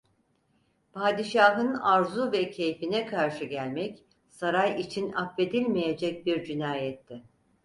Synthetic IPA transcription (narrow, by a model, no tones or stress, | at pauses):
pʰaːd̪iʃaːɦɯnaɾzuvɛcʰe̞jfinɛkʰaɾʃɯɟælʲmɛc | saɾajit͡ʃʰinapve̞d̪ilʲmejed͡ʒɛc̚biɾd͡ʒinaːjɛt̪ʰːɪ